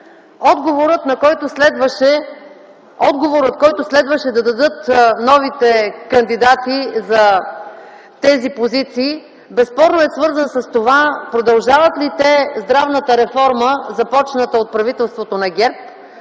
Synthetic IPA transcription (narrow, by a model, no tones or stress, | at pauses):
ɔd̪ɡovoɾət̪nɐkɔjt̪oslɛd̪vəʃɛ | ɔd̪ɡovoɾət̪kɔjt̪oslɛd̪vəʃɛd̪ɐd̪ɐd̪ɤt̪nɔvit̪ɛkɐnd̪id̪at̪izɐ | t̪ɛzipozit̪siː | bɛspɔɾnoɛsvɤɾzənsɐst̪ovapɾod̪ɐlˠʒavət̪lit̪ɛzd̪ɾavnət̪əɾɛfɔɾməzɐpɔt͡ʃnət̪əot̪̚pɾɐvit̪ɛlˠst̪vot̪onɐɡʲɛɾp̚